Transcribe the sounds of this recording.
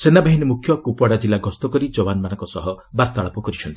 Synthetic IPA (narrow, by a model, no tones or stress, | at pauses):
senabaɦinimukʰjɔkupwaɽad͡ʒilːaɡɔst̪ɔkɔɾid͡ʒowanmanɔŋkɔsɔɦɔ | baɾt̪aɭɔpɔkɔɾit͡ʃʰɔnt̪i̥